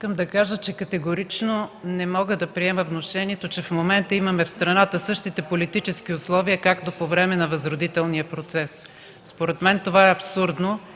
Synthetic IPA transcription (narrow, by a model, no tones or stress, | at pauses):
iskəmd̪ɐkaʒət͡ʃɛkɐt̪ɛɡoɾit͡ʃnonɛmɔɡəd̪ɐpɾiɛməvnoʃɛniɛt̪ot͡ʃɛfmomɛnt̪əimɐmɛfst̪ɾɐnat̪əsɤʃt̪it̪ɛpolit̪it͡ʃɛsk̟iʊslˠɔviəkakt̪opovɾɛmɛnɐvɐzɾʊd̪it̪ɛlˠniəpɾot̪sɛs | spoɾɛt̪mɛnt̪ovaɛɐpsuɾd̪no